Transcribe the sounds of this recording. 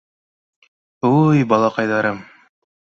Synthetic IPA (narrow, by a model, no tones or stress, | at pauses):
ujbɑlˠɑqɑjðɑɾɤm